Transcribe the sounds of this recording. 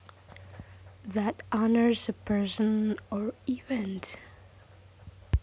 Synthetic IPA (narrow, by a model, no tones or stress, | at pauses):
ðætʔɑnə˞zəpʰɜ˞sə̃nəɹivɛ̃nt